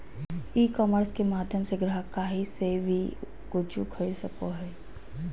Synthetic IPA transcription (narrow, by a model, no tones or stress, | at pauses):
iːkɔːməɾskemaːd̪ʱjəmseɡɾəɦəkaːɦiseʋi | ɡ̥ʊd͡ʒṵkʰɐisɐkoɦɛː